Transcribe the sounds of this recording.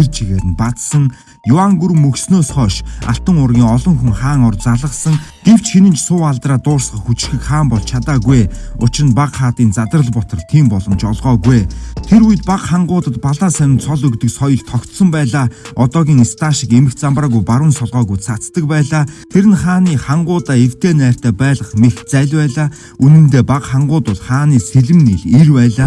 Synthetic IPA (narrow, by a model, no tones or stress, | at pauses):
ert͡ɕʰiɣeːɾɘ̆npat̪sə̆ŋ | jʊaŋɡuɾɘ̆mɵksnoːsχɔːʃa̰ɬt̪ə̆ŋʊrɣʲiːŋɔɮɞ̆ŋxuŋχaːŋɔrt͡saɮʁə̆qsə̆ŋɡ̥ew̥t͡ɕxenɘ̆nt͡ɕsʊːaɮt̪raːt̪ʊːrsɢə̆χxut͡ɕ̆ʃxɘ̆kχaːmpɔɮt͡ɕʰat̪aːɣueːʊt͡ɕɪrə̆npaqχaːt̪iːnt͡sat̪ə̆rə̆ɮpɔt̪ɞ̆ɮt̪ʰiːmpɔɮɞ̆mt͡ɕɔɮʁɔːɡweːt̪ʰeɾujɘ̆t̪paqχaɴɢʊːt̪ə̆t̪paɮaːsæwʲɪ̆nsʰɔɮɵkt̪ɵ̆ksɔjɞ̆ɮt̪ʰɔkt̪sɞ̆mpæːɮaːɔt̪ɔːɣʲiːŋest̪ʰaːʃɪĭkemɘ̆kt͡sampraːɣujpaɾwə̆nsɔɮʁɔːɣujsat͡st̪ə̆k̚pæːɮaːt̪ʰeɾɘ̆nχaːniːχaɴɢʊːt̪aːew̥t̪eːnæːr̥t̪ʰæːpæːɮʁə̆χmext͡sæɮʲwæːɮaː | unɘ̆mt̪eːpaqχaɴɢʊːt̪ʊɮχaːniːseɮɘ̆mnixirpæːɮaː